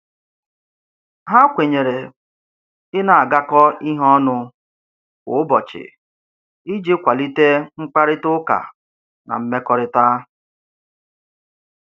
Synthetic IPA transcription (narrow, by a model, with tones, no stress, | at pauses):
ɦa˦kʷe˨ɲe˨ɾe˨ | ɪ˦na˨a˨ɡa˦kɔ˦i˦ɦɔ˦nʊ˦ | kʊ̰˨ʊ˦bɔ˨t͡ʃɪ̰˨ | i˦d͡ʒɪ˦kʷa˨li˦te˦ŋ͡m̩˦k͡pa˦ɾɪ˦tʊ˦ka̰˨ | na̰˨m̩˦me˦kɔ˦ɾɪ˦ta˦